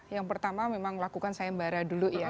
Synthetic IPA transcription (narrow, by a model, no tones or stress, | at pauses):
jaŋpərt̪amamemaŋlakukansajambaɾaduluja